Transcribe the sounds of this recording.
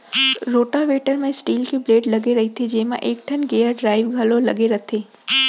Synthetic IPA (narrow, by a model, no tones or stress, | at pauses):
ɾoːʈaʋeːʈəɾmẽsʈiːlkibleːɖlɐɡeɾɐɦit̪ʰed͡ʒeːmã̰ʔeːk̚ʈʰɐnɡeːəɾɖɾaːɪʋɡʱəlolɐɡeɾɐt̪ʰeː